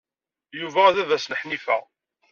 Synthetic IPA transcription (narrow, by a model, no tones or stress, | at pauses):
juvææðævæsnəħnifæ